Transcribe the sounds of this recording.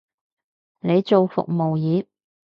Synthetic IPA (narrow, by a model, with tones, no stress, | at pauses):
ne˨˧jt͡ʃo˨wfʊ̰˨k̚mo˨wjiː˨˥